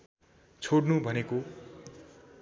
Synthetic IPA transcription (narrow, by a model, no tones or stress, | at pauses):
t͡sʰoɽnubʱʌneko